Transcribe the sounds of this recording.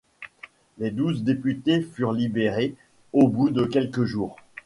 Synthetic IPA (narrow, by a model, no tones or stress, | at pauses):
led̪uzd̪epyt̪efyʁlibeʁe | obud̪əkʲɛlkəʒuːʁ